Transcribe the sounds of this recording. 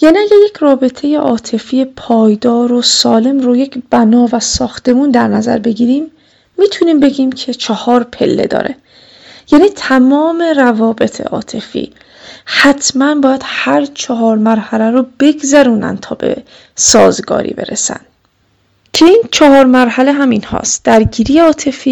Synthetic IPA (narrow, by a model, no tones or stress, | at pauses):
jæniæɟæɾje̞cʰrɒːbe̞t̪ʰe̞je̞ʔɒːt̪ʰe̞fijepʰɒːjd̪ɒːɾosɒːle̞mɾoje̞cʰb̥ænɒːvæsɒːxt̪e̞muːnd̪æɾnæzæ̰ɾbe̞ɟiːɾiːmː | iːt̪ʰuniːmbe̞ɟiːmcʰe̞t͡ʃʰɒhɒːɾpʰe̞̰lːe̞̰d̪ɒ̰ːɾḛ | jæːniːt̪ʰæmɒːme̞rævɒːbe̞t̪ʰḛʔɒ̰ːt̪ʰe̞fḭː | hæt̪ʰmænbɒːjæd̪̥hæɾt͡ʃʰɒɦɒːɾmæɾhælæɾob̥e̞ɡzæɾuːnæ̰n̥t̪ʰɒ̰ːbḛ | sɒːzɡɒ̰ːɾḭːbe̞̰ɾḛsæ̰nd̪ | cʰeiːnt͡ʃʰɒɦɒːɾmæɾhæleɦæminhɒ̰ːst̪̚d̪̥æɾɟiːɾijeɒːt̪ʰe̞fiː